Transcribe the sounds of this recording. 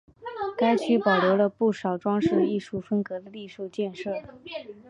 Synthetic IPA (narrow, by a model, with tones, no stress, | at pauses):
ka˥ɪt͡ɕʰy˥pɑ˨˩ljo˧˥ʊlə˧pu˥˩ʂɑ˨˩ʊʈ͡ʂwɑ˥ŋʂɻ̩˥˩i˥˧ʂu˥˩fə˥nkɤ˧˥d̪ə˧li˥˧ʂu˥˧t͡ɕjɛ˥˧nʂɤ˥˩